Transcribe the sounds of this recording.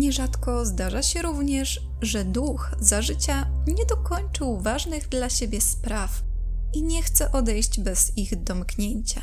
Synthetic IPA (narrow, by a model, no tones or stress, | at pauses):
ɲɛʐat̪kɔzd̪aʐaɕɛɾuvɲɛʂ | ʐɛd̪ux | zaʐɘt͡ɕaɲɛd̪ɔkɔɲt͡ʂɘwvaʐnɘɣd̪laɕebʲjɛspɾaf | iɲɛxt̪sɛʔɔd̪ɛjɕd͡ʑbɛz̥iɣd̪ɔmkɲeɲt͡ɕa